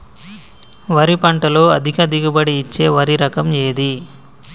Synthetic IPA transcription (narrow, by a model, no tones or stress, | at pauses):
ʋɐɾipɐɳʈɐlo̞ːɐd̪ʱikɐd̪iɡubɐɽiːt͡ʃːe̞ːʋɐɾiɾɐkɐmeːd̪i